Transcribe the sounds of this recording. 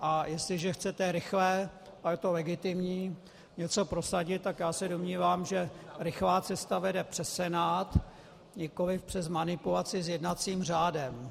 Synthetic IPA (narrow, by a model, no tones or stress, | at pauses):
ʔajɛst̪lɪʒɛxt͡sɛt̪ɛɾɪxlɛː | ʔajɛt̪o̞lɛɡɪt̪ɪmɲiː | ɲɛt͡so̞pɾo̞saɟɪt̪̚t̪ːakjaːsɛdomɲiːvaːmʒɛɾɪxlaːt͡sɛst̪avɛdɛpr̥ɛsɛnaːt̪ | ɲɛko̞lɪfpr̥ɛzmanɪpulat͡sɪsjɛdnat͡siːmr̝aːdɛm